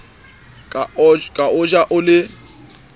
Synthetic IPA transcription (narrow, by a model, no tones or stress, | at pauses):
kʼakʼaʊd͡ʒʼaʔʊlɪ